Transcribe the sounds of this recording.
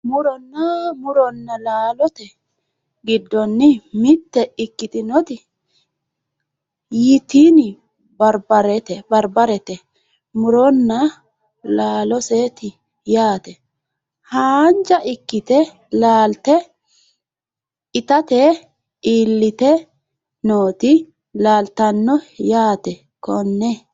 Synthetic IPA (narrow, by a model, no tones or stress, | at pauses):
mʊɾɔnːɐmʊɾɔnːɐlaːlɔt̪ɛ | ɡɪd̪ːɔnːɪmɪt̪ːɛɪkːɪt̪ɪnɔt̪ɪ | jɪt̪iːnɪ | bɐɾbɐɾɛt̪ɛbɐɾbɐɾɛt̪ɛ | mʊɾɔnːɐ | laːlɔseːt̪ɪ | jaːt̪ɛ | haːnd͡ʒɐʔɪkːɪt̪ɛ | laːlt̪ɛ | ɪt̪ɐt̪ɛ | iːlːɪt̪ɛ | noːt̪ɪ | laːlt̪ɐnːɔjaːt̪ɛ | kɔnːɛ